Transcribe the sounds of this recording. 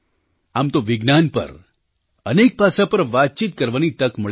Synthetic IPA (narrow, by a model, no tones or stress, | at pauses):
amt̪oʋɪɡnanpə̰ɾ | ənek̚pasapəɾʋat̪̚t͡ʃit̪̚kəɾʋanit̪əkməɭ